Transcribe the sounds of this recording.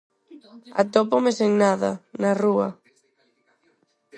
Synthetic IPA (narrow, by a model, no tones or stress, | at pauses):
a̰t̪opomeseŋnaðanarua̰